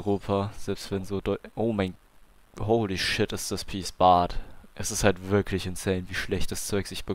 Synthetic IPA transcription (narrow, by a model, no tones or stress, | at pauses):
ʁoːpʰaz̥ɛlpstv̥ɛnzoːdɔʔoːmaɪn | hoʊliʃɪtɪstd̥aspʰiːsb̥aːtʔɛsɪsthaltv̥ɪɐkʰlɪçɪnsɛːnviːʃlɛçt̚d̥ast͡sɔʏkz̥ɪçb̥ə